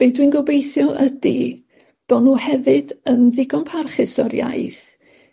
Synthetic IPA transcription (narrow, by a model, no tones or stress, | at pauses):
b̥ejdwinɡɔbejθjɔʔədi | b̥ɔnuːhɛvɨdənðɪɡɔnpʰarχɪsɔɾja̰jθ